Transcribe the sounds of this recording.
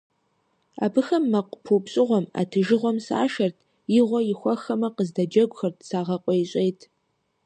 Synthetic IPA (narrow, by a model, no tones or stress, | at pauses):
abɨxɐmːɐqpʰuːpɕʼɪʁʷɔma̰tʰɨʒɨʁʷɔmsa̰ːʃɐrtʰ | jɪʁʷɔjɪxʷɐxɐmɐqəzdɐd͡ʒɐɡʷxɐrtʰsaːʁɐqʷʼɔjɕʷʼejtʰ